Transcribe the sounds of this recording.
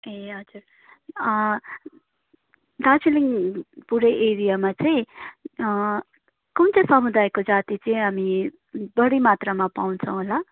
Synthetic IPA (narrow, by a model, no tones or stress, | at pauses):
eɦʌd͡zur | d̪asiliŋpuɾeʔeɾijamat͡sʌĩ | kʌmt͡sʌ̃sʌmud̪ajkod͡zat̪it͡sʌĩɦami | bʌɽimat̪ramapawnt͡sʰʌ̃w̃ɦola